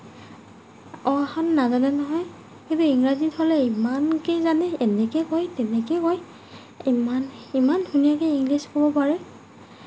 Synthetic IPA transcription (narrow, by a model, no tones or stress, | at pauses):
ɔaxɔnːazanɛnɔɦɔj | kĩntuiŋɹazithɔlɛimankejzanɛːnɛkɛkojtɛnɛkɛkoj | imanimandʱunijakɛiŋɡliskobɔpaɹɛ